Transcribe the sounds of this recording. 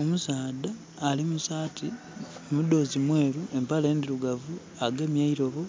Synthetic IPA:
omusaːdaː | limusaːtʰi | mudo̞ːzimwe̞ːɾue̞mpaleːndiɾuɡavu | aɡe̞mjaiɾo̞βo

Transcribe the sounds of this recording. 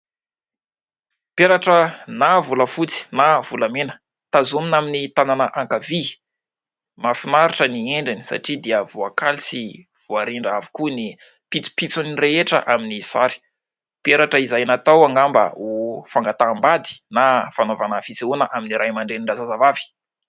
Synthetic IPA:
peɾaʈ͡ʂənavuləfut͡si̥nav̥ulamenə̥ | t̪azuminaminit̪ananəʔaŋkavi | mafinaɾuʈ͡ʂənieɳɖ͡ʐini̥sa̰ʈ͡ʂid̪iəvuakalisi | v̥uaɾiɳɖ͡ʐavi̥kuni | pit͡su̥pit͡suniɾeeʈ͡ʂə̰ʔaminisa̰ɾi̥ | peɾaʈ͡ʂəizajanat̪awaŋɡambə̰ufaŋɡat̪ambad̪i̥nafanovanafit͡seunəʔaminiɾʔajmaɳɖ͡ʐeniɳɖ͡ʐazazavavi̥

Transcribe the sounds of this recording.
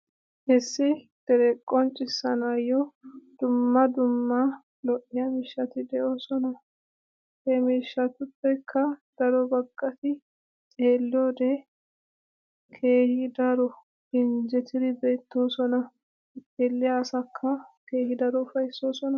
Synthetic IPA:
ʔɛsːɪ | d̪̥ɛɾɛkʼːɔnt͡ʃʼːɪsːɐnajːɔd̪̥ʊmːɐd̪ʊmːɐ | lɔʔːɪjɐmɪʃːɐt̪ɪd̪ɛʔoːsɔnɐ | hɛmiːʃːɐt̪ʊpːɛkʰːɐd̪̥ɐɾɔbɐkʼːɐt̪ɪ | t͡ʃʼeːlːɪoːd̪ɛ | kʰe̞ːhɪd̪ɐɾɔ | ɡɪnd͡ʒɛt̪ɪd̪ɪbe̞ːt̪ːo̞ːsɔnɐ | eːlːɪjaːsɐkʰːɐke̞ːhɪd̪ɐɾɔʊfɐjsːo̞ːsɔnɐ

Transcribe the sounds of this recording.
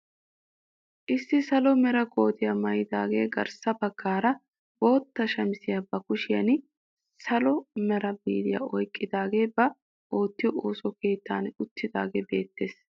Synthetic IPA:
ʔɪsːɪsɐlɔmɛɾɐɡo̞ːt̪ɪjɐmɐjɪd̪aːɡe̞̰ːɡɐ̰ɾsɐbɐɡːaːɾɐ | bo̞ːt̪ːɐʃɐmɪsɪjabɐkʊʃɪjɐ̰n | sɐlɔmɛɾɐbḭːd̪ɪja̰ɔjkʼːɪd̪aːɡe̞ːbɐ | ʔo̞ːt̪ːɪjɔʔoːsɔke̞ːt̪ːaːnʊt̪ːɪd̪a̰ːɡeːbe̞̰ːt̪ːe̞ːs

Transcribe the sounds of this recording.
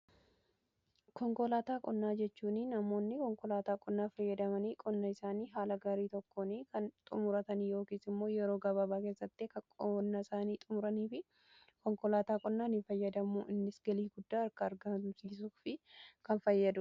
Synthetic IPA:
kɔŋkɔlaːt̪aːkʼɔnːaːd͡ʒɛt͡ʃːuːninɐmo̞ːnːɪkɔŋkɔlaːt̪aːkʼɔnːaːfɐjːɐd̪ɐmɐniːkʼɔnːɐɪsaːniːɦaːlɐɡaːɾiːt̪ɔkːoːnikɐnt̪ʼʊmʊɾɐt̪ɐniːjo̞ːkiːsɪmːo̞ːjɛɾo̞ːɡɐβɐbaːke̞ːsːɐt̪ːeːkɐkʼɔːnːɐɪsaːniːt̪ʼʊmʊɾɐniːfɪ | kɔŋkɔlaːt̪aːkʼɔnːaːnɪfɐjːɐd̪ɐmʊɪnːɪsɡɐliːɡʊd̪ːaːɐɾkɐːɾɡɐmsiːs̬uːfɪkɐnfɐjːɐd̪ʊ

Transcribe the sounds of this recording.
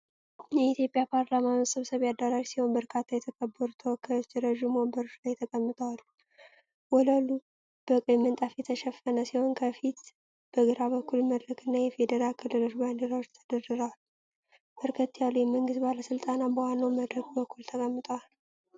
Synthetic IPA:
jɛit̪jo̞pʼjapʰaɾlamajsʼɨβsəβjad̪aɾaʒsiho̞nbəɾkʰat̪ʰːajɛt̪ʰəkʼəbːəɾut̪ʰəwɔkʰːəot͡ʃːiɾəʒumobəɾot͡ʃlajt̪ʰəkʼəmːɨt̪ʼəwalu | wɔləlu | b̥əkʼjɛmːɨnt̪ʼafjɛt̪ʰəʃɛfːənəsiho̞nkʰəfit̪ | b̥əɡɨɾaβəkːulməd̪ɾɨkʰʼɨnːajɛfe̞d̪əɾalkʰɨlːɨlo̞t͡ʃːband̪əɾawot͡ʃːt̪ʰəd̪ədɨɾəwalː | bəɾkʰət̪ʰːjalujɛməŋɡɨst̪baləsɨlt̪ʼanabəhanːəwməd̪ɾəɡbəkʰːult̪ʰəkʼəmːɨt̪ʼəwal

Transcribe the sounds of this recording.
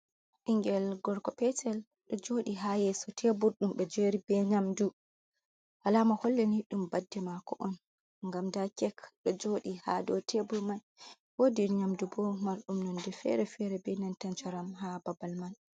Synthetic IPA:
ʔiŋɡɛlɡɔɾkɔpɛtʰɛl | ɗɔd͡ʒoɗiɦajɛsɔtʰebuɾɗumɓɛd͡ʒeɾibɛɲamdu | ʔalamahɔlːɛniɗumbadːɛmakɔ̰ʔɔn | ŋɡamdakɛkɗɔd͡ʒoɗiha̰dɔtʰebuɾman | wodiɾɲamdubɔmaɾɗumnɔndɛfɛ̰ɾɛfɛɾɛbɛnantant͡ʃaɾamɦababalman

